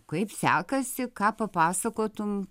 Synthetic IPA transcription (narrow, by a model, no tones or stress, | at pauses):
kɐɪpsʲæ̰ːkɐsʲɪkɑːpɐpɑːsɐkoːt̪ʊm